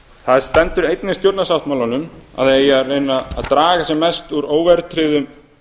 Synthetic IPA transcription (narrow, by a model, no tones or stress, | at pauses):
θaðst̪ɛnt̪ʏɾejt̪nɪst̪jowɾt̪nasawht̪mawlanʏma̰ðejarejnːaa̰ðt̪ɾaːɣasɛmːɛst̪uɾoːwvɛɾt̪ʰɾɪːðʏm